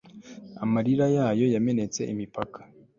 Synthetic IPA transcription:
a̰maɾiɾajaːjo̞jame̞ne̞t͡se̞̰ʔimipakḁ

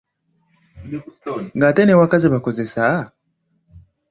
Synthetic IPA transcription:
ŋɡatɛnɛwakaziβakɔzɛsa

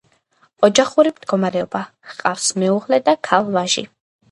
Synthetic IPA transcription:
ɔd͡ʒaχuɾimd̪̥ɡɔmaɾɛɔba | hqʼafsmɛuʁlɛd̪akʰalˠvaʒḭ

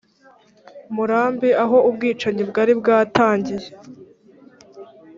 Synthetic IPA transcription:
muɾaːmbiaɦo̞ubɡiːt͡ʃaɲibɡaːɾibɡaːtaːɲɟije

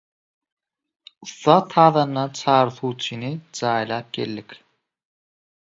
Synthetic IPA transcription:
uθːɑːt̪ʰɑːðɑnːɑt͡ʃʰɑːɾθuːt͡ʃʰinid͡ʒɑːjlˠɑːp̚ɡḛlːikʲ

